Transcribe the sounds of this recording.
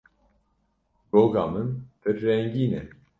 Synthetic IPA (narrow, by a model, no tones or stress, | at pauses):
ɡoːɡɑːmɨnp̪ʰɨɾːɛŋɡiːnɛ